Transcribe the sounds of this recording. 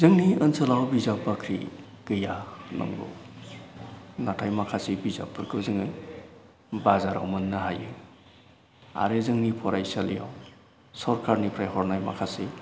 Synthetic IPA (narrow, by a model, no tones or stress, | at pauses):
zɯŋniənsəlawbizap̚bakʰɾḭ | ɡ̥ɯjanɔ̰ŋɡo̰ | natʰajmakʰasibiza̰p̚ːɯɾkʰɯzɯŋɯ | bazaɾa̰wmɯnːaɦajɯ | a̰ɾezɯŋnipʰɔɾajsalija̰w | sɔɾkʰaɾnipʰɾajhɔɾnajma̰kʰasi